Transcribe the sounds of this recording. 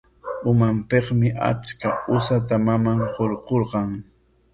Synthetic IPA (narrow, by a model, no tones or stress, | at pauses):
ʊmampeχmɪʔa̰t͡ʃkaʊsat̪amamaŋhoɾqoɾqɑŋ